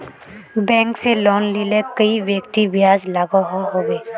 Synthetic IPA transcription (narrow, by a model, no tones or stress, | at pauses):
bɛ̃ːŋkselɔːnlilekəiʋjəkt̪ibjaːd͡ʒlaːɡaɦoɦoːɡeː